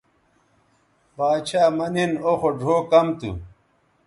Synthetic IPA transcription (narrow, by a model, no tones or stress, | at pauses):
baːt͡ɕʰaːmɐninoxoɖʱoːkɐmt̪ṵ